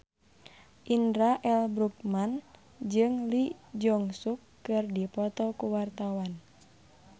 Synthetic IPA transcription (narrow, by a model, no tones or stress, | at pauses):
ʔindɾaʔɛlbɾuk̚man | d͡ʒɨŋlid͡ʒɔŋsukːɨrdipɔt̪ɔkuwart̪awan